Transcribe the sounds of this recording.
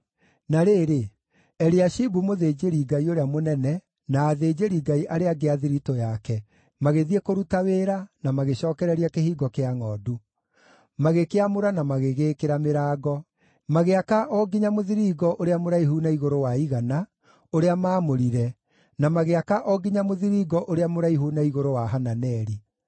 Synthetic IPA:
naɾeːɾe | ɛɾiaʃibumoðeːd͡ʒeɾiɡaioɾeamonɛnɛ | naːðeːd͡ʑeɾiɡaiʔaɾeaɡeaðiɾitɔjakɛ | maɣeðiekoɾutaweːɾanamaɣeɕɔːkɛɾɛɾiakehiːɡɔkeaŋɔːdu | maɣekeamoɾanamaɣeɣekeɾameɾaːɡɔ | maɣeakaʔɔɡiɲamoðiɾiːɡɔʔoɾeamoɾaiɦunaiɣoɾowaiɣana | oɾeamaːmoɾiɾɛ | namaɣeakaʔɔɡiɲamoðiɾiːɡɔʔoɾeamoɾaiɦunaiɣoɾowaɦananɛɾi

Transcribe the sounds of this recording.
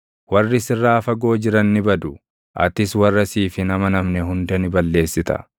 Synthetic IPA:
wɐrːɪsɪrːaːfɐɡo̞ːd͡ʒɪɾɐnːɪbɐd̪ʊ | ʔɐ̰t̪ɪswɐrːɐsiːfɪnɐmɐnɐmnɛhʊnd̪ɐnɪbɐlːe̞ːsːɪt̪ɐ̥̰

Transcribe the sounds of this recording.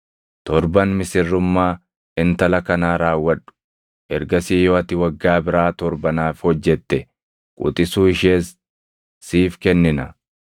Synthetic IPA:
t̪ɔɾbɐnmɪsɪrːʊmːaː | ɪnt̪ɐlɐkɐnaːɾaːwːɐᶑʊ̥ | ʔɛɾɡɐsiːjoːɐt̪ɪwɐɡːaːbɪɾaːt̪ɔɾbɐnaːfhɔd͡ʒːɛt̪ːɛ | kʼṵt̪ʼɪsuːɪʃeːsː | iːfkɛnːɪnɐ

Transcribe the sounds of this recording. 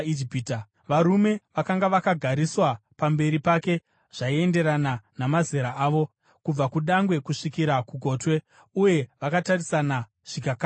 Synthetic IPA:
id͡ʒipiːt | ʋaɾume̞ʋakaŋɡaʋakaɡʱaɾiswapambe̞ɾipake̞ | ʐ̥aie̞nde̞ɾananamazeɾaʔaːʋo̞ | kub͡vakuɗaŋɡwe̞kuʂikiɾakuɡʱo̞ːtwe̞ | uje̞ʋakatarisana | ʐ̥ikaka

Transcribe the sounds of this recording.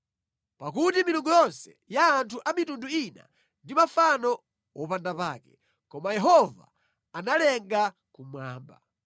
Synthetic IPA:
pak̬utimiluŋɡujɔnsɛ | jaːntʰuʔamitunduina̰ | ndimafanɔ | wɔpandapaːkɛ | kɔmajɛɦɔva̰ː | nalɛŋɡa | kumwaːmba̰

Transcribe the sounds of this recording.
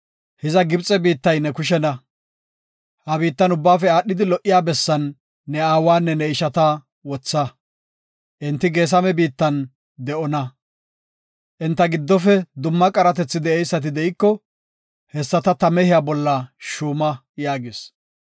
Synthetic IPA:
hɪzɐɡɪbt͡sʼɛbiːt̪ːɐjnɛkʊʃ̬ɛnɐ | hɐbiːt̪ːɐnʊbːaːfɛaːɗːɪd̪ɪlɔʔːɪjaːbɛsːɐnː | ɛaːwaːnːɛnɛɪʃɐt̪ɐ | wɔt͡sːɐ | ʔɪnt̪ːɪɡe̞ːs̬ɐmɛbiːt̪ːɐn | d̪ɛʔɔnɐ | ʔɪnt̪ːɐɡɪd̪ːɔfɛd̪ʊmːɐkʼɐɾɐt̪̬ɛt͡sːɪd̪ɛɛjsːɐt̪̬ɪd̪ɛʔɪkːɔ | hɛsːɐt̪ɐt̪ɐmɛhɪjabɔlːɐʃuːmɐ | jaːɡɪs

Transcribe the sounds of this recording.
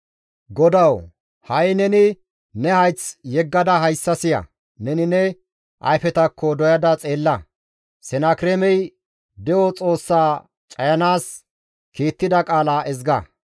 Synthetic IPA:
ɡɔd̪ɐw | hɐjnɛnɪ | nɛhɐjt͡sjɛɡːɐd̪ɐɦɐjsːɐsɪjɐ̰ | nɛnɪnɛ | ʔɐ̰jfɛt̪ɐkːɔd̪ɔjɐd̪ɐt͡sʼe̞ːlːɐ | sɛnakɪɾɛmɛj | d̪ɛjɔt͡sʼo̞ːsːaː | t͡ʃʼɐjɐnaːs | kiːt̪ːɪd̪ɐkʼaːlaːʔɛzɡɐ

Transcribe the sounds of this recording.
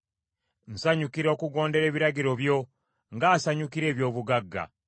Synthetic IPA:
n̩saɲukiɾokuɡo̞ːnde̞ɾe̞ːβiɾaɟiɾo̞βjo̞ | ŋɡaːsaɲukiɾe̞ːβjo̞ːβuɡaɡːa̰

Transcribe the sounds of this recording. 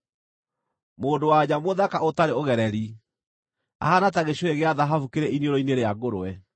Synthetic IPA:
moːdowad͡ʑamoðakaotaɾeoɣɛɾɛɾi | a̰hanataɣeɕoeɣeaðaɦafukeɾɛinioɾoineɾeaɡoɾoɛ

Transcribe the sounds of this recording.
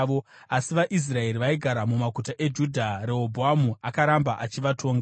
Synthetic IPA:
o | asiʋaʔis̬rae̞ɾiʋaiɡʱaɾamumakutaʔe̞d͡ʒudʱaɾe̞ɦobʱoamuakaɾambaʔat͡ʃiʋatʰo̞ːŋɡa

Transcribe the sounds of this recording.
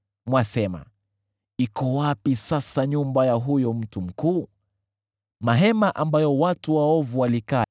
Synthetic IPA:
mwasɛma̰ | ikɔwapisasaɲumbajaɦujɔm̩tum̩kuː | maɦɛmaʔambajɔwatuwaɔvuwalika

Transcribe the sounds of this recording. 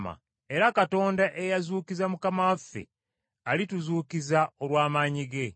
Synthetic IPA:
ma̰ | e̞ɾakato̞ːndaʔe̞jazuːkizamukamawafːe̞̰ | alituzuːkizao̞lwaːmaːɲiɡe̞

